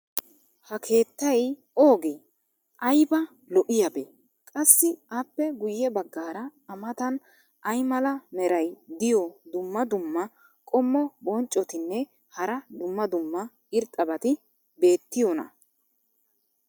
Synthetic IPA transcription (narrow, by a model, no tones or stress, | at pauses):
hɐkʰe̞ːt̪ːɐj | o̞ːɡeː | ʔɐjbɐ | lɔʔɪjɐbe | kʼɐsːɪaːpːɛɡʊjːɛbɐɡːaːɾɐːmɐt̪ɐn | ʔɐjmɐlɐmɛɾɐjd̪ɪjɔd̪ʊmːɐd̪ʊmːɐ | kʼɔmːɔbɔnt͡ʃʼːɔt̪ɪnːɛ | hɐɾɐd̪ʊmːɐd̪ʊmːɐ | ɪɾt̪ʼːɐbɐt̪ɪ | be̞ːt̪ːɪjɔnɐ̰